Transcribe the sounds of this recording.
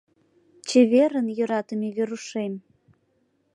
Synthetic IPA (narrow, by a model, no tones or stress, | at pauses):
t͡ɕeβeɾənjø̆ɾɑt̪əmeβeɾuʃem